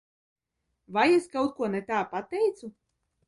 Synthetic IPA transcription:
vajeskawt̪̚kuɔnɛt̪aːpat̪ɛjt̪su

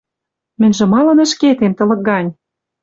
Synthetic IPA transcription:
mɘ̆nʲʒĕmɑlɤ̆nə̆ʃket̪emt̪ɤ̆lɤ̆k̚ɡɑnʲ

